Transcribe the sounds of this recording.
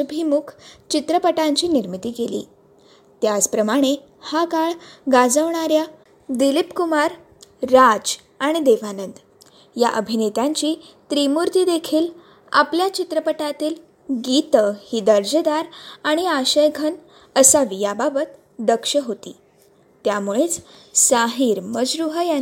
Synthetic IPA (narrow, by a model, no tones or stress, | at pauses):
bʱimukʰt͡ɕit̪ɾəpəʈãɲt͡ɕiːniɾmit̪iːkelḭː | t̪jat͡spɾəmaɽ̃e | hakaɭɡad͡zəʋɳ̃aɾja | d̪ilipkumaɾː | ad͡z | aɽ̃id̪eʋanənd̪ | jaʔəbʱinet̪jaɲt͡ɕiː | t̪ɾimuɾt̪iːd̪ekʰiːl | a̰pljat͡ɕit̪ɾəpəʈat̪iːl | ɡit̪əhid̪əɾd͡ʑəd̪aɾaɽ̃iaɕəjɡʱən | əsaʋijababət̪ | d̪əkʂəɦot̪ḭː | t̪jamuɭet͡ssaɦiɾməd͡ʑɾuɦəja